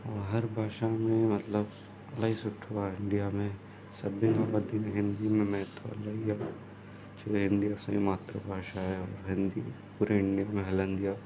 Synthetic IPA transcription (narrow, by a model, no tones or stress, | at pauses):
ɔːɾɦɐɾbʱaːʃamẽmɐt̪ləb | ɐlaɦisʊʈʰuaɪ̃ɳɖijamẽ | sɐbːiŋabəd̪ineɦɪ̃nd̪imẽmɛɦt̪ʰa̰laija | t͡ʃeeɦɪ̃nd̪iɐsa̰imaːt̪ɾə̰bʱaːʃaɦɛɔːɾɦɪ̃nd̪ḭ | puːɾeɪ̃ɳɖijamẽɦɐlə̃nd̪ija